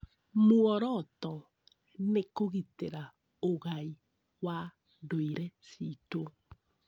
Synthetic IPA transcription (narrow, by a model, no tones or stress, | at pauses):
moɔɾɔtɔ | nekoɣiteɾa | oɣai | wa | doiɾɛsito